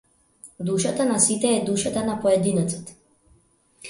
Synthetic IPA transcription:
d̪uʃat̪anasit̪ɛːd̪uʃat̪anapɔɛd̪inɛt̪sḁt̪

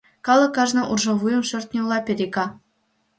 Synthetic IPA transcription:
kɑlˠɤ̆kːɑʐnɤ̆ʔurʐɤ̆vujɤ̆mʃø̆rʲt̪̚ʲnʲeulˠɑpʲeɾʲekɑ

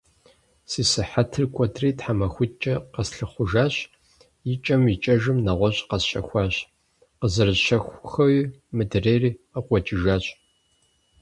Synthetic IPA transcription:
siːsɨħatʰɨrkʷʼɔdriːtħamɐxʷʊt͡ʃʼɐqɐsɬɨχʷʊʒaːɕ | jɪt͡ʃʼɐmit͡ʃʼɐʒɨmnɐʁʷɔɕʼqɐsɕɐxʷɑːɕ | qəzɨrɨɕɐxʷxɐwimɨdɨreːriːəqʷʼɔt͡ʃʼɪʒaːɕʼ

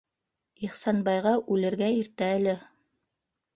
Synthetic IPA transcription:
iχsɑnbɑjʁɑʔʉlɘ̆ɾɡæiɾt̪æælɘ

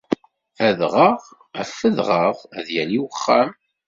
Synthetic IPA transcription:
æðʁəʁ | æfːəðʁəʁæðjæliwəχːæm

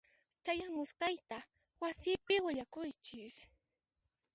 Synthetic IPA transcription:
t͡ʃajaŋʊskajt̪a | wasɪpɪwɪʎakʊjt͡ʃɪs

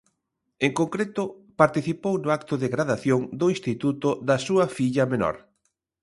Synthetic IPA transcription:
eŋkoŋkɾet̪ʊpaɾt̪iθipownʊakt̪ʊðeɣɾaðaθjoŋd̪ʊinst̪it̪ut̪ʊðɐsuɐfiʎɐmenɔ̰ɾ

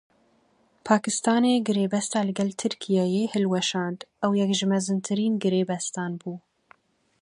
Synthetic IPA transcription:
pʰɑːkɨst̪ɑːneːɡɨɾeːbɛst̪ɑːlɨɡɛlt̪ʰɨɾkʰijɑjeːhɨlwɛʃɑːnd̪ɛwjɛkʒɨmɛzɨnt̪ʰɨɾiːnɡɨɾeːbɛst̪ɑːnbuː

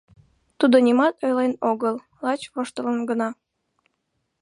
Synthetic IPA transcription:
t̪ud̪onʲimɑt̪ojlenoɣəl | lɑt͡ɕβoʃt̪ələnɡənɑ

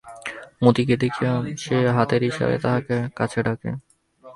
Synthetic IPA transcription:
mot̪ik̬ed̪ekʰiamʃeɦat̪eɾɦiʃḛbḛt̪aɦakekat͡ɕʰeɖakḛ

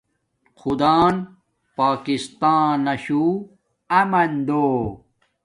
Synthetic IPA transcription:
xud̪aːn | paːkist̪aːnɐɕu | ɐmɐnd̪oː

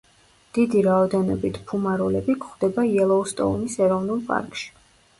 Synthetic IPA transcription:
d̪̥id̪iɾaɔd̪ɛnɔbit̪ʰpʰumaɾulɛbikʰχd̪ɛbaiɛlˠɔust̪ʼɔ̰unisɛɾɔvnulˠpʼa̰ɾkʼʃi̥

